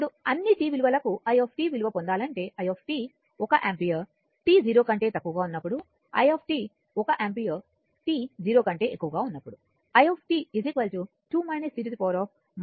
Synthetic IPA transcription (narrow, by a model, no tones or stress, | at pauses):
ɽuɐnːiʈiːʋiluʋɐlɐkuʔɐjoːpʰʈiːʋiluʋɐpond̪aːlɐɳʈe̞ːʔɐjoːpʰʈiː | ɔkɐʔaːmpijɐ | ʈiːd͡ʒiːɾo̞ːkɐɳʈe̞ːt̪ɐkːuʋɐɡaːunːɐpːuɽu | ɐ̰jopʰʈiː | ɔkɐʔampijɐ | ʈiːd͡ʒiːɾoːkɐɳʈe̞ːʔekːuʋɐɡaːunːɐpːuɽu | ɐjoːpʰʈiːizikʋɐlt͡ʃu | ʈuːmɐjnesiɾit̪ipɔːɾɔːp̚ʰ | m